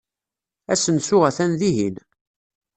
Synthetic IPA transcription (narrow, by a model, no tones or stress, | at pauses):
æsənsʊʁæθænðiɦin